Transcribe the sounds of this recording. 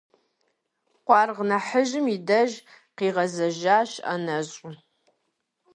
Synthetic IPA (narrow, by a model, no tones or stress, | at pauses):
qʷɑːrʁnɐħəʒɪmidɐʒ | qiːʁɐzɐʒaːɕɐ̰nɐɕʼʊ